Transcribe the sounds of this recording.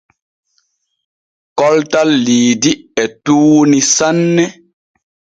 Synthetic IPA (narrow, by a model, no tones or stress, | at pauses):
kɔltalːiːdiɛtuːnisanːɛ